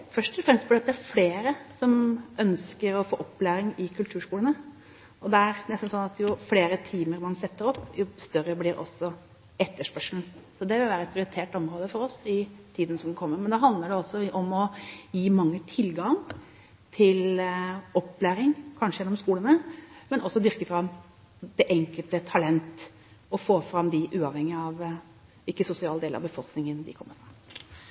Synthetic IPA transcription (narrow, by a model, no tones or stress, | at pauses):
fœʂʈɔfɾɛmst̪bɪɖɑt̪æɾfleːɾəsɔmʔœnskəɾɔfoːʔɔpːlæːɾɪŋɪkʰʉlt̪ʰʉːʂkuːlənə | ɔd̪ɛæɾnɛst̪n̩sɔnɑt̪jʊfleːɾət̪ʰiːməɾmɑnsɛt̪ːəɾɔpːjʊst̪œɾːəblɪɾʔɔ̰sːɔ | ɛt̪ːəʂpœʂln̩sɔd̪ɛʋɪlʋæːɾəɛt̪pʰɾɪʊɾɪt̪ʰeːʈɔmɾoːd̪əfɔɾɔsɪt̪ʰiːd̪nəsɔmkʰɔmːəɾmɛnd̪ɑɦɑnd̪ləɖɛɔsːɔʔɔmɔjiːmɑŋːət̪ʰɪlɡɑŋ | t̪ʰɪl | ɔpːlæːɾɪŋkʰɑnʂəjɛnːɔmskuːlənəmɛnʔɔsːɔd̪ʏɾkəfɾɑm | d̪̥ɛʔɛŋkəlt̪ət̪ʰɑlɛnt̪ | ɔfoːfɾɑmd̪ɪʔʉːɑʋhɛŋɪəɑʋ | ɪkːəsʊsɪɑːld̪eːləɾɑ̰bəfɔlknɪŋənd̪ɪ̰kʰɔmːəɾfɾɑm